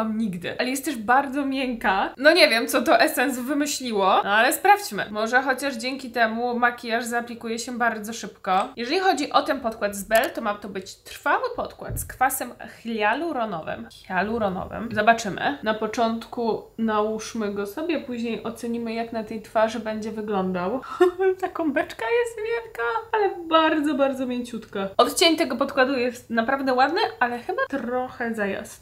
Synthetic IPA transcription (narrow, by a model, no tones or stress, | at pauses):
amɲiɡd̪ɘ̰alɛjɛst̪ɛʂbaɾd̪zɔmʲjɛŋkanɔɲevʲjɛmt̪sɔt̪ɔʔɛsɛns̬vɘmɘɕlʲiwɔnalɛspɾaft͡ɕmɘ̰mɔʐɛxɔt͡ɕaʐd͡ʑeŋkʲit̪ɛmumakʲijaʐzaːplʲikujɛɕɛbaɾd̪zɔʂɘpkɔjɛʐɛlʲixɔd͡ʑiʔɔt̪ɛnpɔt̪̚kwat̪zbɛlt̪ɔmat̪ɔbɘt͡ɕt̪ɾ̥fawɘpɔt̪kwa̰t̪skfasɛmxlʲjaluɾɔnɔ̰vɘ̰mxʲjaluɾɔnɔ̰vɘ̰mzɔbat͡ʂɘmɘ̰napɔt͡ʂɔnt̪kunauʂmɘɡɔsɔbʲjɛpuʑɲejʔɔt̪sɛɲimɘjaknat̪ɛjt̪faʐɘbɛɲd͡ʑɛvɘɡlɔnd̪awt̪akɔ̃w̃bɛt͡ʂkajɛst̪vʲjɛlkaalɛbaɾd̪zɔbaɾd̪zɔmʲjeɲt͡ɕut̪kaɔt̪t͡ɕeɲt̪ɛɡɔpɔt̪kwad̪ujɛst̪napɾavd̪ɛwad̪nɘʔalɛxɘbat̪ɾɔxɛzaja̰s